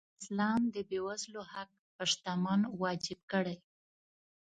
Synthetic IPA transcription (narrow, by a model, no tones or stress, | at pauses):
ɪslɑmd̪əbewazlohak̚paʃt̪amɑnwɑd͡ʒɪb̚kəɽaj